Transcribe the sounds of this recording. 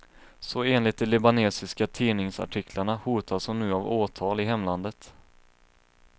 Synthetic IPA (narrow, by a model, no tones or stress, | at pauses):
sɔeːnlɪt̪̚d̪ɛlʏbaneːsɪskat̪ʰiːnɪŋsa̰ʈʰɪkʰlaɳahuːt̪ʰasɔnʉ̟ːavoːt̪ʰɑːlɪɦɛmːland̪ət̪